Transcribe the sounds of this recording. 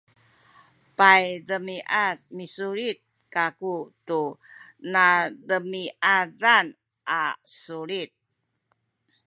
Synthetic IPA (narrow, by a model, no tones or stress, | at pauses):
pajdəmiʔatmisuɾit̪̚ | kakutunadəmiʔaɾan | ʔasuɾit̪̚